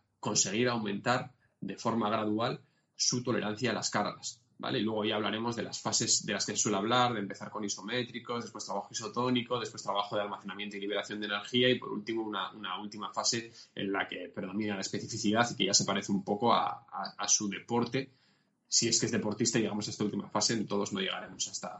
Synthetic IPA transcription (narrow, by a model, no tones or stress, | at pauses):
ko̞nse̞ɣ̞iɾawmẽ̞nt̪aɾ | d̪e̞fo̞ɾmaɣ̞ɾaðual | sut̪o̞le̞̰ɾan̟θjaːla̰skaɾɣa̰s | ba̰lʔe̞ilwe̞ɣ̞o̞ʝaːβlaɾe̞mo̞zðe̞lasfase̞zðe̞laske̞seswe̞leaβ̞laɾðempe̞θaɾko̞niso̞me̞t̪ɾiko̞zðe̞spwet̪ɾaβaxoiso̞t̪o̞niko̞ðespwe̞st̪ɾaβaxo̞ðealmaθenãmjent̪oiliβe̞ɾaθjo̞nd̪ene̞ɾxiaipo̞ɾṵlt̪imounaʔunault̪imafase̞ḛnlake̞pɾe̞ðo̞minalae̞spe̞θifiθiðaθike̞ʝase̞paɾe̞θeumpo̞ko̞a̰aasuðe̞po̞ɾt̪e̞ | sie̞skezðe̞po̞ɾt̪ist̪aʝe̞ɣamo̞sae̞st̪ault̪imafase̞nt̪o̞ð̞o̞zno̞ʝe̞ɣ̞a̰ɾe̞mo̞saest̪a